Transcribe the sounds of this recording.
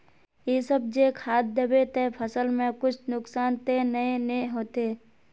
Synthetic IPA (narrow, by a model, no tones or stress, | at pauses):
jeːsəb̚d͡ʒekʰaːt̪̚d̪əbet̪epʰəsəlmẽkʊt͡ʃʰnʊksaːnt̪enəẽneɦoːt̪eː